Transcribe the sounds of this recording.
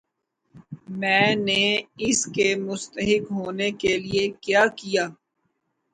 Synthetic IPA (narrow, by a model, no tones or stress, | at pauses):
mɛ̃ːneɪskemʊst̪əɦɪkɦoːnekeliekjaːkijaː